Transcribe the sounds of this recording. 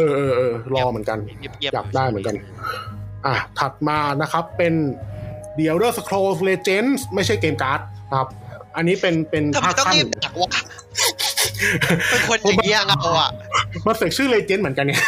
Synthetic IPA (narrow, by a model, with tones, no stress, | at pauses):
ʔɤː˧ʔɤː˧ʔɤː˧lɔː˧mɯ˩˦ənka˧nja̰ː˨˩p̚daː˥˩jmɯ˩˦ŋka˧n | ʔaː˧˩t̪ʰa˨˩t̪̚maː˧na˦˥kʰa˦˥pːe˧n | di˨˩əwɾɤː˥˩sa˧kʰɾoː˧sleː˧t͡ɕe˦˥nsma˥˩jt͡ɕʰa˥˩jkeː˧mkaː˦˥t̪̚n˦˥kʰa˦˥p̚ʔa˧nːiː˦˥pe˧npe˧npʰːkʰa˥˩n˧a˨˩k̚kʰa˧˩˧ | kʰo˧n˧˩m˧˦˥a˨˩ma˧nse˨˩k̚t͡ɕʰɯː˥˩leː˧t͡ɕeː˦˥nmɯ˩˦ənka˧nŋɛ˥˩